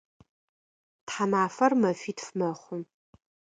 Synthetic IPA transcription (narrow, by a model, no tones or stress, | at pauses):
tħanaːfɐrmɐfiːtfmɐχʷʊm